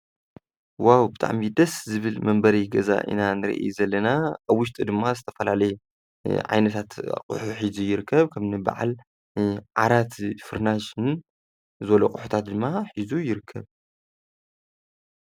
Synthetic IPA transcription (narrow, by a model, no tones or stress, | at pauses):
wawbɨt̪ʰʼa̰ʕmid̪ɐszɨβɨlmɐmbɐɾiɡɐza̰ʔḭnanɨɾḭʔḛjzɐlːɐnaʔaβwʊʃ̬t̪ʼɨd̪ɨmːazɨt̪ʰɐfɐlalɐj | ʕa̰jnɐt̪ʰat̪qʼṵħuħizujɪɾɨkʰːɐβkʰɐmnɨba̰ʕa̰l | ʕa̰ɾat̪fɨɾnaʃn | zɨβɐlukʼʊħu̥t̪ʰat̪̚d̪ɨmːaħizujɪɾɨkʰːɐβ